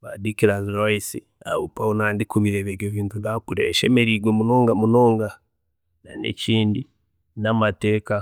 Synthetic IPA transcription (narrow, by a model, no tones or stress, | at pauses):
βadikiɾaziɾoisi | a̰βupaunaːndikuβiɾeβeɡjoviːntunakuɾeeʃeme̞ɾiɡwemuno̞ːŋɡamuno̞ːŋɡa | na̰nḛciːndi | namate̞ːka